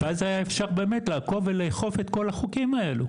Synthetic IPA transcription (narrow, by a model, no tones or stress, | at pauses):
veazhajaefʃaʁbe̞ːmetlaːko̞veleːχo̞fet̪ko̞laχukimae̞lu